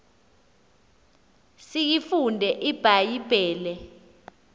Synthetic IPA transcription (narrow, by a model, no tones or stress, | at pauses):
sijifundʱɛʔib̥ʱajib̥ʱɛːlɛ